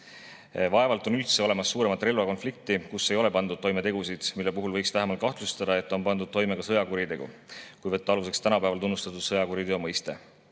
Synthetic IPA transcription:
vɑe̞vɑlt̪ˑo̞nylt̪se̞o̞le̞mɑsːuːɾe̞mɑt̪ːˑre̞lvɑko̞nflik̚t̪ikusːe̞jo̞le̞pɑnd̪ud̪̚t̪o̞jme̞t̪e̞ɡusid̪̥milːe̞puɦulvɤjkst̪æɦemɑlt̪kɑht̪lust̪ɑd̪̥ɑe̞t̪ːˑo̞npɑnd̪ud̪̥̚t̪ːo̞jme̞ɡɑsɤ̞jɑkuɾit̪e̞ɡ̥ṵkujvɤt̪ːeɑluse̞kst̪ænɑpæevɑlt̪unːust̪ɑt̪ˑud̪̥sɤjɑkuɾid̪eomɤjst̪e̞

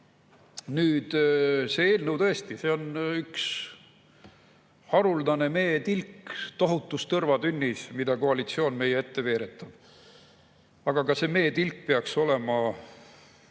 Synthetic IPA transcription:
nyːd̪̥se̞eːlnəwt̪ɤ̞e̞st̪ise̞o̞nyks | hɑɾuld̪ɑne̞me̞ːt̪ilkt̪o̞ɦut̪ːˑust̪ɤrvɑd̪ynʲːismid̪̥ɑko̞ɑlit̪sio̞ːnme̞jee̞t̪ːe̞ve̞ːɾe̞t̪ˑːɑb̥ | ɑɡɑkɑse̞me̞ːt̪ilk̚peɑkso̞le̞mɑ

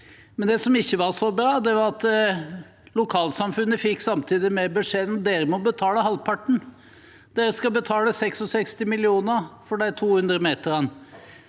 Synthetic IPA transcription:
mɛnd̪ɛsɔmɪçːəʋɑʂɔbɾɑːd̪ɛʋɑɾɑt̪ | lʊkʰɑːlsɑmfʉnːəfɪkːsɑmt̪ʰiːd̪ɪmɛbəʂeːd̪nd̪eːɾəmɔbət̪ʰɑːləhɑlpʰɑʈːɳ̩ | d̪̥eːɾəskɑbət̪ʰɑːləsɛksɔsɛkst̪ɪmɪlɪuːnəfɔɖɛæt̪ʰuːhʉnd̪ɾəmeːt̪əɾɛnː

